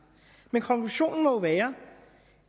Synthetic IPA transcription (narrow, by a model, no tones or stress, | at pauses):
menkʰɒ̽ŋkʰluɕo̝̰ːnn̩mɒ̽ʋɛːɐ